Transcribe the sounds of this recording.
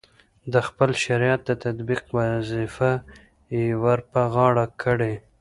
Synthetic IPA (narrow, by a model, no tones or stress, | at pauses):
d̪əxpəlʃaɾjɑt̪̚d̪ət̪ad̪biqwazifa | jewaɾpaɣɑɽakʰəɽe